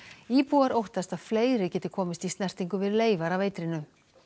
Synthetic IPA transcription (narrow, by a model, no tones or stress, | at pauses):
iːpuaɾowht̪ast̪að̥fleːjɾɪcɛːt̪ɪkʰɔːmɪst̪ist̪nɛr̥t̪iŋkʏvɪðɪleːjvaɾaveːjt̪ɾɪnːʏ